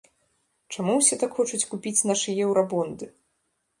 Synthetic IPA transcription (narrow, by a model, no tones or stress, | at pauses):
t͡ʂamuwsʲɛt̪akxɔt͡ʂut͡sʲkupʲit͡sʲnaʂɨjɛwɾabɔnd̪ɨ